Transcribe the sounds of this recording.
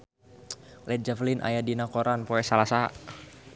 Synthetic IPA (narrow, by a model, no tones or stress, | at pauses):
lɛt̪̚d͡ʒaflinʔa̰jadinakoɾanpoɛsalasa